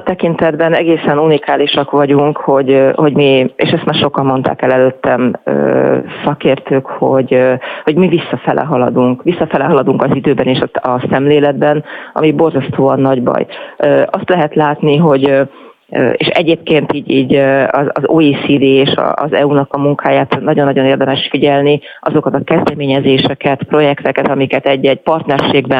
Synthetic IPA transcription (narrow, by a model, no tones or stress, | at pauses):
t̪ɛkint̪ɛd̪bɛnɛɡeːsɛnunikaːliʃɒkʋɒɟuŋkho̞ɟhoɟmiḛːʃɛst̪maːrʃo̞kɒmmo̞nt̪a̰ːkɛlɛløːt̪ːɛmø̰ːsɒkeːrt̪øːkho̞ɟho̞ɟmivisːɒfɛlʔɛ̰ɦɒlɒ̰d̪uŋkʋisːɒfɛlɛɦɒlɒd̪uŋkɒzid̪øːbɛneːʃɒɒsɛmleːlɛd̪̚bɛnɒ̰mibo̞rzɒst̪oːɒnːɒɟbɒ̰jøɒst̪lɛɦɛt̪laːt̪niɦo̞ɟ | eːʃɛɟeːp̚keːnt̪iːɟiːɟɒɒzoːiːsiːd̪iːeːʃɒ̰ʔːzɛunɒkɒmuŋkʰaːjaːt̪nɒɟo̞nːɒɟo̞neːrd̪ɛmɛʃfiɟɛlni | ɒzo̞kɒt̪ɒkɛzd̪ɛmeːɲɛzeːʃɛkɛt̪pro̞jɛkt̪ɛkɛt̪ɒmikɛt̪ɛɟːɛɟ̚pɒrt̪nɛrʃeːɡbɛ